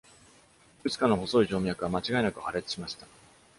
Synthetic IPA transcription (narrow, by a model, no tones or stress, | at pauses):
kɯ̟t͡ɕi̥kanoɦo̞so̞iʑo̞ːmʲijakɯβamat͡ɕiɡaenakɯ̟haɾe̞t͡sɨ̥ɕimaɕi̥t̪ḁ